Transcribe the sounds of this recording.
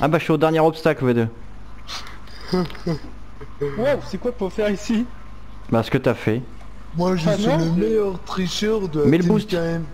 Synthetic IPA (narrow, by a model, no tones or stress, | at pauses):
a̰baʃɛod̪ɛʁnjɛʁɔpst̪aklved̪ə | wawsɛkwat̪ɔfɛʁisi | basə̥kət̪yafɛ | mwaʒnɔ̃lemejœʁt̪χiʃœʁd̪əamilbust̪aɛm